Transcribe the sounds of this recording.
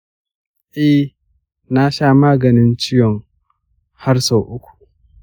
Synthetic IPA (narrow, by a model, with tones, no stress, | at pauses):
ʔɛ˦h | na˦ʃaː˦maː˦ɡɐ˨nɪ˦nt͡ʃɪ˦jɔ˨ŋ | ha˦rsoː˨ʔʊ˦kʷu̥˨